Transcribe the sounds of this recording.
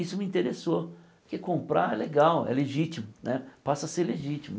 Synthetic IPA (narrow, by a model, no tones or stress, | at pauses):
isʊmiĩnt̪eɾeso | kɪkõmpɾa̰ɛleɡawɛ̰leʒit͡ʃimʊnɛpasɐseɾleʒit͡ʃimʊ